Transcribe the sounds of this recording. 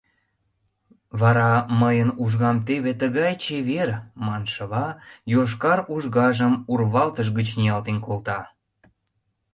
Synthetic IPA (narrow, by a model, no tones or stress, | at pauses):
βɑɾɑməjənuʒɣɑmt̪eβet̪əɣɑjt͡ɕeβermɑnʃəβɑjoʃ̬kɑɾuʒɣɑʒəmurβɑlt̪əʃ̬ɣət͡ɕnijɑlt̪enkolt̪ɑ